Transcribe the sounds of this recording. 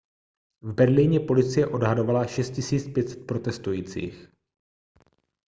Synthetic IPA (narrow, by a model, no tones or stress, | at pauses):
vbɛɾliːɲɛpo̞lɪt͡sɪjɛʔo̞dɦado̞valaʃɛst̪̚cɪsiːt͡spjɛt̪sɛ̥t̪̚pɾo̞t̪ɛst̪ujiːt͡sḭːx